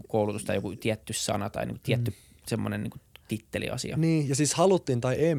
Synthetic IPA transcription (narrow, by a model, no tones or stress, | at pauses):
koulut̪ust̪ɑjokut̪iæt̪ːyssɑ̰nɑt̪ɑ̰inḭŋku̥t̪iæt̪ːy | semːonennḭːŋkut̪it̪ːelḭɑ̰sḭɑniːjɑsiːshɑlut̪ːint̪ɑiʔeː